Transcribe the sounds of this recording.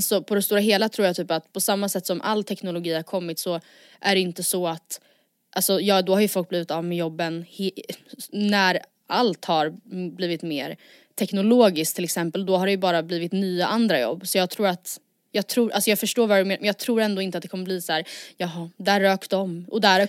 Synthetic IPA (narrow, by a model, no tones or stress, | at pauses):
alsɔpʰɔd̪ɛst̪uːɾaɦeːlat̪ʰɾuːɾjat̪ʰyːpat̪pʰɔsamːasɛt̪ːsɔmʔa̰lːt̪ʰɛknʊlʊɡiːhaɾkʰɔmːɪt̪sɔ | ʔæɖɛɪnt̪əsɔat̪ | ʔalsɔjɑːd̪ɔhaɾjɵfɔlk̚bliːvɪt̪ɑːvmɛjɔbːənh | næɾ | alt̪haɾbliːvɪt̪meːɾ | t̪ʰɛknʊloːɡɪsk̚t̪ʰɪlɛksɛmpəld̪ɔɦaɖɛjɵbɑːɾabliːvɪt̪nyːaʔand̪ɾajɔ̰bːsɔjɑːɡ̚t̪ʰɾuːɾat̪ | jɑːɡ̚t̪ʰɾuːɾʔalsɔjɑːɡfœʂʈoːɾvaɾɛmeːnmjɑːɡ̚t̪ʰɾuːɾɛnd̪oːɪnt̪əat̪̚d̪ɛkʰɔmːəbliːsæːɾjɑːɦɑd̪æɾːœːkd̪ɔmʔɔ̰d̪æ